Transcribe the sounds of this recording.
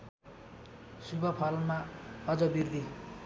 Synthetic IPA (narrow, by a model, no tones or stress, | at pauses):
subʌpʰʌlmaʌd͡zʌbird̪ʱi